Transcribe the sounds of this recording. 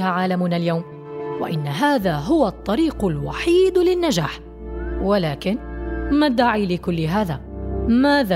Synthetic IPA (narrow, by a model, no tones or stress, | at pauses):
haʕaːlamuːnaljawm | wa̰ʔɪnːaɦaːðaːɦʊwaʔt̪ˤːɑɾiːqʊlwaħiːd̪lɪnːad͡ʒaːħ | walaːkɪnmad̪ːaʕiːlɪkʊlːɪɦaːðaːmaːða